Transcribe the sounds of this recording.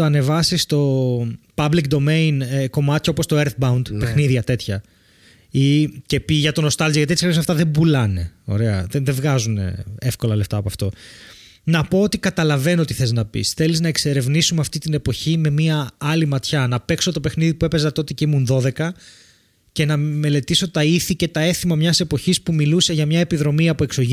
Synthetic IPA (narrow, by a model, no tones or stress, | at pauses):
oɐne̞vɐsist̪o̞pɐblik̚d̪o̞me̞inko̞mɐt̪çeo̞post̪o̞eɾθbɐund̪pexniðiʝɐt̪e̞t̪çɐ | ice̞piʝɐt̪o̞no̞st̪ɐlziʝɐt̪iet̪sɾiosɐft̪ɐðembulɐne̞o̞̰ɾe̞ɐ̰ðeðevɣɐzunḛefko̞lɐle̞ft̪ɐːpoɐft̪o̞ | nɐpo̞ot̪ikɐt̪ɐlɐve̞noot̪iθeznɐpḭsθe̞liznɐekse̞ɾe̞vnisumeɐft̪it̪ine̞po̞çime̞miɐɐlimɐt̪çɐnɐpe̞kso̞t̪o̞pe̞xniðipue̞pe̞zɐt̪o̞t̪eceimunðo̞ðe̞kɐ | ce̞nɐme̞le̞t̪iso̞t̪ɐiθice̞t̪ɐe̞θimɐmɲɐse̞po̞çispumiluse̞ʝɐmɲɐepiðɾo̞miɐpoe̞kso̞ʝi